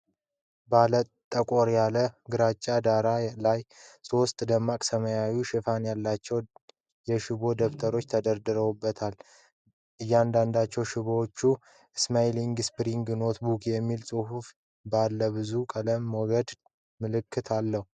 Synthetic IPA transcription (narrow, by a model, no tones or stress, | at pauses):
balət̪ʼəkʼoɾjaləɡɨɾat͡ʃʼːad̪aɾalajso̞st̪ʼd̪əmːakʼsəməjajuʃɪfanjalːat͡ʃːɛw | jɛʃɪβo̞d̪əft̪ʰəɾo̞t͡ʃːt̪ʰəd̪əɾd̪ɨɾəwubːət̪ʰal | ʔɨjːand̪and̪at͡ʃːɛwʃɪβoot͡ʃːu | ɨsmajliŋɡspɾiŋɡno̞t̪bukʰjɛmːilsʼɨhuf | balːəβɨzukʼələmːɔɡəd̪ | mɨlɨkːɨt̪ʰalːəhu